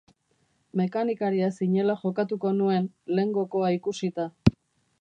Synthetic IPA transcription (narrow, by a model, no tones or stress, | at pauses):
me̞kanikaɾiasiɲe̞laʝo̞kat̪uko̞nue̞nle̞ŋɡo̞ko̞aikusit̪a